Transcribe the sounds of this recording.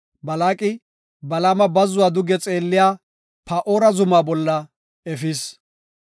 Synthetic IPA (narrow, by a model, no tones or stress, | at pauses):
bɐlaːkʼɪ | bɐlaːmɐbɐzʊwaːd̪ʊɡɛt͡sʼe̞ːlːɪjaː | pɐʔoːɾɐzʊmaːbɔlːɐ | ɛfiːs